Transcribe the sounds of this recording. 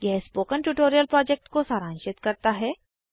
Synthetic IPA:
jɛɦspoːkəɳʈuʈoːɾijəlpɾɔːd͡ʒek̚ʈkosaɾãnʃɪt̪kɐɾt̪aɦɛ

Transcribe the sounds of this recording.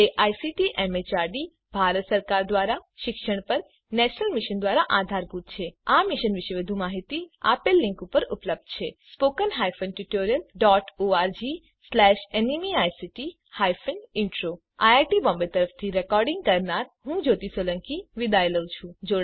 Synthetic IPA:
eʔajsiʈiʔemet͡ʃaɾɖi | bʱaɾət̪səɾkaɾd̪ʋaɾaʃɪkʃəɳ̃pəɾ | nɛʃnəlmiʃənd̪ʋaɾaʔad̪ʱaɾɡut̪̚t͡ʃʰeamiʃənʋɪʃəʋid̪ʱũmaɦit̪ia̰pelːɪ̃ŋkupəɾupləb̚d̪̥̚t͡ʃʰespokənɦajfənʈuʈoɾijəlɖɔʈoaɾd͡ʒi | slɛʃenimiajsiʈi | hajfʰənɪɳʈɾo | ajaʈibɔ̃mbet̪əɾəft̪ʰiɾɛkɔɾɖɪŋɡ̚kəɾnaɾɦũd͡ʒot̪iseləŋkiʋid̪ajləʋt͡ʃʰũd͡ʒoɽ

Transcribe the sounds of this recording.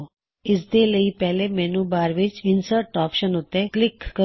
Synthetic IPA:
ɪsd̪eləipɛɦlemɛnũbaːɾʋit͡ʃɪnsəɾʈɔːpʃənɦot̪eklɪkːə

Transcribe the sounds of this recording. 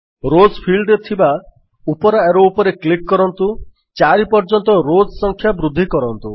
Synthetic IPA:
ɾod͡ʒpʰilɖet̪ʰiba | upɔɾaeɾoupɔɾeklikːɔɾɔnt̪u | t͡ʃaɾipɔɾd͡ʒɔnt̪ɔɾod͡ʒɔsɔŋkʰjabɾud̪ʱːikɔɾɔnt̪u

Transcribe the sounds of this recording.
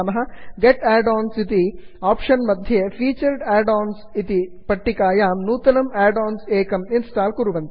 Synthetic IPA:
mɐɦɐ̆ɡeʈɛːɖaːnsit̪iaːpʂɐnmɐd̪ʱjɐefʰiːt͡ʃɐɾɖɛːɖaːnsit̪i | pɐʈːikaːjaːmnuːt̪ɐnɐmɛːɖaːnseːkɐminsʈaːlkuɾuʋɐnt̪i

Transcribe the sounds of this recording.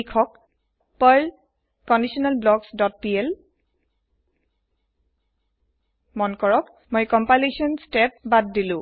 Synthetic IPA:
ikʰɔk̚ | pɔl | kɔndisɔnalblɔɡsdɔt̚piɛl | mɔnkɔɹɔk | mɔjkɔmpalesiɔnstɛp̚bad̚ːilʊ̃

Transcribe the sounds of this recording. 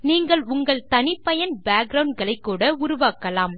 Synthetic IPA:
niːŋɡɐɭʊŋɡɐɭt̪ɐnɪpːɐjɐnbaːɡ̚ɡɾɐʊɳɖɡɐɭɐɪkːuːɽɐʊɾʊʋaːkːɐlaːm

